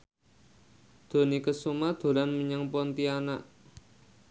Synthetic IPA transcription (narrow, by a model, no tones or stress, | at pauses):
d̪̥o̤nikəsumad̪̥o̤lanməɲaŋpɔnt̪ianaʔ